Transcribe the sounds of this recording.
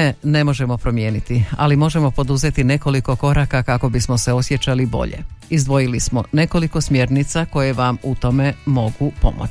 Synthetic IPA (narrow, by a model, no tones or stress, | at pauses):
ene̞mo̞ʒe̞mo̞pɾo̞mje̞ːnit̪ia̰limo̞ʒe̞mo̞po̞d̪uze̞t̪ine̞ko̞liko̞ko̞ɾakakako̞bismo̞seo̞sje̞t͡ɕalibo̞̰ʎḛizd̪ʋo̞jilismo̞ne̞ko̞liko̞smjeɾnit̪sako̞je̞ʋamut̪o̞me̞mo̞ɡupo̞̰mo̰